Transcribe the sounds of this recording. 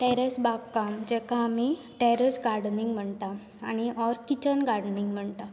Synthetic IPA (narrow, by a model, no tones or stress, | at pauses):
ʈɛɾesbaɡkːamd͡ʑɛkaːmi | ʈɛɾəsɡaɾɽniŋɡm̤əɳt̪a | a̰ñiʔɔɾkit͡ɕənɡaɽniŋɡm̤əɳt̪a